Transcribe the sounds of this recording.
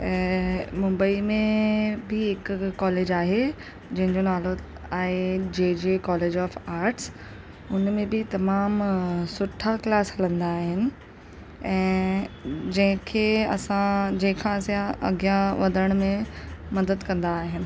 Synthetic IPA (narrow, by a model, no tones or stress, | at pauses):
ɛ̃ːmʊ̃mbəimẽbɪɦɪkːɔːleːd͡ʑaːɦe | d͡ʑɐ̃ɦɪ̃ɲd͡ʑonaːlo | aːɦed͡ʑeːd͡ʑekɔːleːd͡ʑɔːfaːɾʈs | ʊnmẽbɪt̪ɐmaːmsʊʈʰaklaːsɦɐlə̃nd̪aːɦɪnɪ̆ | ɛ̃ː | d͡ʑɐ̃ɦɪ̃kʰeːɐ̰sãd͡ʑɐ̃ɦɪ̃kʰãseɐ̰ɡijaʋɐd̪ʱəəɽ̃mẽmɐd̪əd̪kɐ̃nd̪aːɦɪnɪ̆